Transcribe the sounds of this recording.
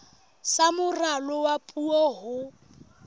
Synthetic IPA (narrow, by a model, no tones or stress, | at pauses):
samʊralɔwapʼuɔɦʊ